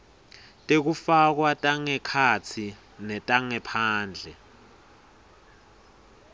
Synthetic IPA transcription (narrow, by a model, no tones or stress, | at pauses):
tʼek̬ufak̬watʼaŋɛkʰat͡sʰi | nɛtʼaŋɛpʰaːnd͡ɮʱɛ